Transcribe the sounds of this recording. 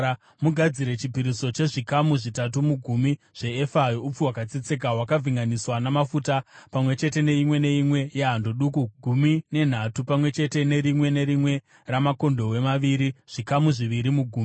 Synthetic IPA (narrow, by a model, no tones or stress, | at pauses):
muɡʱad͡ziɾe̞t͡ʃipiɾiso̞t͡ʃe̞ʐikamuʐitatumuɡʱumi | ʐ̥e̞ːfajoup͡fuwakat͡sit͡sek̬aɦwakaviŋɡaniswanamafuːtapamwe̞t͡ʃe̞te̞ne̞imwe̞ne̞imwe̞jeɦandoɗuːkuɡʱumine̞n̤atupamwe̞t͡ʃe̞te̞ne̞ɾimwe̞ne̞ɾimwe̞ | ramako̞ndo̞we̞maʋiɾiʐ̥ikamuʐiʋiɾimuɡʱuːmi